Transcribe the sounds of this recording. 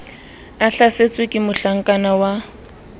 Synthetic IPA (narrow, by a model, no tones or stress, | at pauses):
aɬaset͡sʼwekʼɪmʊɬaŋ̩kʼanawa